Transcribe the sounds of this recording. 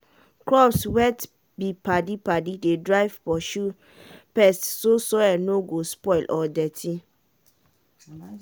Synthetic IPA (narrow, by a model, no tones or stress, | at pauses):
kɹɔpswɛt | bipadipadidedɹaɪvpɔʃu | pɛstsosɔɛnoɡospɔɪlʔɔdɛtʰi